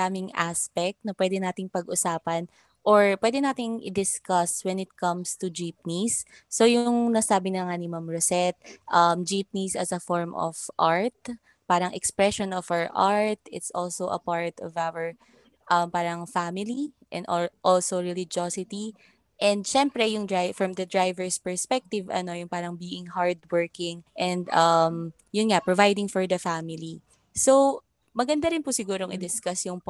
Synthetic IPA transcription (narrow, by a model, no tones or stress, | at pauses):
aːmɪŋʔaspɛk̚t̪̚nɐpwɛd̪ɛnaːt̪ɪŋpɐɡʔʊsaːpɐn | ʔoɹpwɛd̪ɛnaːt̪ɪnʔɪ̰d̪ɪskɐswɛnɪt̪̚kɐ̃mst̪ud͡ʒip̚nisː | ojʊʊŋnɐsaːbɪnɐŋanɪmamɹosɛt̪̚ʔɐmd͡ʒip̚nisɐsɐfɔɹmʔɔ̰v̥ʔaɹt̪̚ | paːɾɐŋʔɛkspɹɛʃɔnɔvaɹʔaɹt̪̚ɪt̪sʔolsowʔɐ̰paɹt̪ɔvawəɹ | ʔɐmpaːɾɐŋfamɪliʔɛ̰̃nʔʔɔlsowɹɛlɪd͡ʒosɪt̪i | ʔɛ̃nd̪̚ʃɛmpɾɛjʊŋd̪ɹajfɹɐmd̪ɐd̪ɹajvɛɹspɛɹspɛk̚t̪ɪvʔɐ̰no̞jʊŋpaːɾɐŋbiːʔɪŋhaɹd̪wɜɹkɪ̃ŋʔɛ̃nd̪ɐm | jʊnŋapɹɔvajd̪ɪŋfɔɹd̪ɐfamɪli | sow | mɐɡɐnd̪aɾɪnpʊsɪɡuːɾoŋʔɪd̪ɪskasjʊŋp